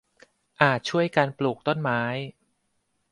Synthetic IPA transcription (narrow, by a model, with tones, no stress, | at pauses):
ʔaː˨˩t̪̚t͡ɕʰu˥˩əjkaː˧npluː˨˩k̚t̪o˥˩nmaː˦˥j